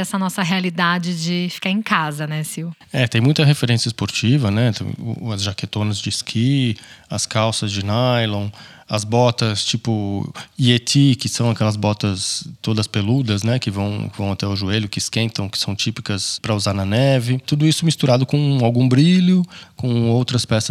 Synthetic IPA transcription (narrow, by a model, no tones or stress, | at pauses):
ɛsɐnɔsɐɦealid̪ad͡ʒɪd͡ʒɪfi̥kaɾẽkazɐnɛsiw | ɛt̪ẽj̃mũj̃t̪ɐɦefeɾẽsiɐɪspoɾt͡ʃivɐnɛ̰ʊ̰ɐzʒaket̪õnɐzd͡ʒɪskʰiɐskawsɐzd͡ʒɪnajlõw̃ɐzbɔt̪ɐst͡ʃipʊiet̪ikɪsɐ̃w̃ɐkɛlɐzbɔt̪ɐst̪od̪ɐspelud̪ɐznɛkɪvɐ̃w̃kɪvɐ̃w̃at̪ɛʊʒueʎʊkɪskẽnt̪ɐ̃w̃kɪ̥sɐ̃w̃t͡ʃipi̥kɐspɾɐuzaɾnɐnɛvɪt̪ud̪ʊisʊmist̪uɾad̪ʊkõawɡũbɾiʎʊkõowt̪ɾɐspɛsɐ